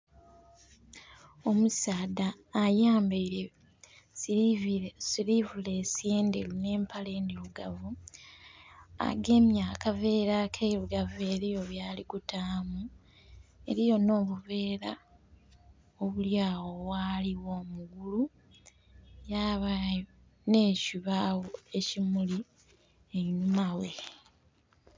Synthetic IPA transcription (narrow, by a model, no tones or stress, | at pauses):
o̞musaːdaːjaːmbejɾe | siɾivule̞sie̞ːndḛlune̞ːmpale̞ːndiluɡavu | a̰ɡe̞ːmjaːkave̞ːɾakʰeɾuɡave̞ɾijo̞βjaːliɡutaːmu | e̞̰ɾijo̞no̞ːβuβe̞ːɾa | oβuljaːwo̞βwaːliwo̞ːmuɡulu | jaːβa | ne̞ːciβawoecimuli | einumawe